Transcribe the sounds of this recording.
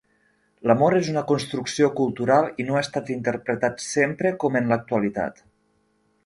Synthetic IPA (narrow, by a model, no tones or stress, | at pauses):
ləmoɾezunəkonst̪ɾuksiokulˠt̪uɾalˠinoaest̪at̪int̪əɾpɾət̪at̪sempɾəkɔmənlək̚t̪uəlit̪a̰t̪